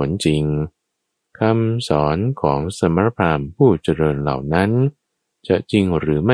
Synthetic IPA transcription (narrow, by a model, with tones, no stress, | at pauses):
nt͡ɕi˧ŋ | kʰa˧msɔː˩˦nkʰɔː˩˦ŋsa˩˦m˧ɾa˦˥pʰɾaː˧mpʰuː˥˩t͡ɕa˧ɾɤː˧nla̰˨˩wna˦˥n | t͡ɕa˨˩ʔt͡ɕi˧ŋɾɯː˩˦ma˥˩